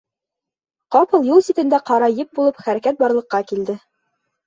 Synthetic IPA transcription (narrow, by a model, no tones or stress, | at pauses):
qɑpɤ̆lˠjulˠsit̪ɘ̆nd̪æqɑɾɑjɘp̚bulˠɤpχæɾækæt̪̚bɑɾlˠɤ̆qːɑkild̪ɘ